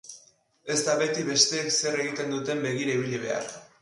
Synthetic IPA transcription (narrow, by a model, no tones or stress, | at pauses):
e̞zd̪aβe̞t̪iβe̞st̪e̞ːkse̞re̞ɣit̪e̞nd̪ut̪e̞mbe̞ɣ̞iɾaiβ̞iʎiβe̞a̰r